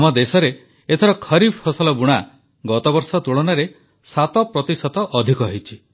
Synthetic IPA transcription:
mɔd̪esɔɾe | et̪ʰɔɾɔkʰɔɾibʱhɔsɔlɔbuɽ̃a | ɡɔt̪ɔbɔɾsɔt̪uɭɔnaɾe | sat̪ɔpɾɔt̪isɔt̪ɔʔɔd̪ʱikɔɦijt͡ʃʰi

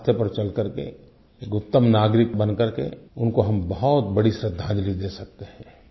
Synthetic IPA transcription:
t̪ʰjəpɐɾt͡ʃɐlkɐɾkḛ | eːkʊt̪ːəmnaːɡɾɪkbɐ̃nkəɾkḛʊnkoɦɐmbɐɦɔt̪bɐɽisɾɪd̪ʱːãːd͡ʒlid̪eːsɐk̚t̪eɦɛ̃ː

